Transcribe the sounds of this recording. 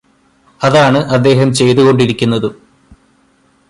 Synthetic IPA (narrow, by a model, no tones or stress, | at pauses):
ɐðaːɳɨʔɐd̪ːe̞ːɦɐmt͡ɕe̞jt̪uɣo̞ɳɖiɾikʲːunːɐðɨ